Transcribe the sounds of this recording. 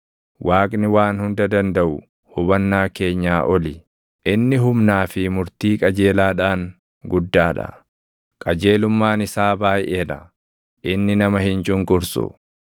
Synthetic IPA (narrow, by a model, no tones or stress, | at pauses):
wʔaːkʼnɪwaːnhʊnd̪ɐd̪ɐnd̪ɐʔʊ | hʊbɐnːaːke̞ːɲːaːʔɔlɪ | ʔɪnːɪɦʊmnaːfɪmʊɾt̪iːkʼɐd͡ʒe̞ːlaːᶑaːŋ | ɡʊd̪ːaːᶑɐ̰ | kʼɐd͡ʒeːlʊmːaːnɪsaːbaːjeːᶑɐ | ʔɪnːɪnɐmɐhɪnt͡ʃʼʊŋkʼʊɾsʊ̰